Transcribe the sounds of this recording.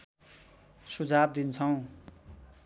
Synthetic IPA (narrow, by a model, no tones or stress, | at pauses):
sud͡zʱab̚d̪int͡sʰʌw̃